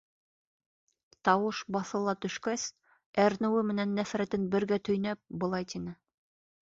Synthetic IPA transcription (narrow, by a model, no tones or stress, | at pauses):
t̪ɑwɤʃbɑθɤ̆lˠɑt̪ɵ̆ʃkæs | æɾnɘ̆wɘmɘ̆nænːæfɾæt̪ɘnbɘ̆ɾɡæt̪ʰɵ̆jnæp̚bɤ̆lˠɑjt̪inɘ